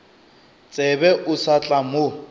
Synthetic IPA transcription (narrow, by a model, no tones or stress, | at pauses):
t͡sʼɛbɛʔʊsat͡ɬʼamʊ